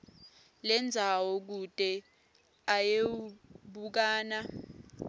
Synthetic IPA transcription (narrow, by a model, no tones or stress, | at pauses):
lɛnd͡zʱawɔk̬utʼɛ | ajeɓuk̬aːna